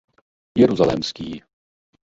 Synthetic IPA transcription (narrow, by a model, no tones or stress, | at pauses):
jɛɾuzalɛ̰mskiː